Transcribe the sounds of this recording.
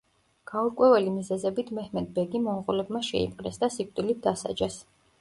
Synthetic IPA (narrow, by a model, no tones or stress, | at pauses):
ɡ̥auɾkʼwɛvɛlimizɛzɛbit̪ʰmɛhmɛd̪̚bɛɡimɔnqulɛbmaʃɛ̰ḭpʼqʼnɛsd̪asik̚ʰʼt̪ʼilit̪̚ʰd̪asa̰d͡ʒɛs